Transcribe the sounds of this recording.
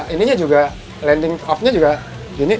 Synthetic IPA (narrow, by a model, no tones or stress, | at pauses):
iniɲad͡ʒuɡa | lɛndɪŋɔp̚ɲad͡ʒuɡa | ɡini